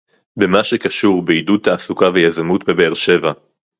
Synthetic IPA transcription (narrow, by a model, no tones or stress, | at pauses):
bemaʃekaʃuʁbeidut̪haːsukavejazamutbebeːʁʃe̞va